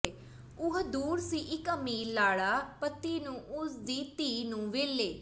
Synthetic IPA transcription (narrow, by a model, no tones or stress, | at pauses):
ʊɦd̪uːɾsiːʔɪkəmiːlaːɽaːpət̪ːiːnũːʔʊsd̪iːt̪iːnũːʋeːlːeː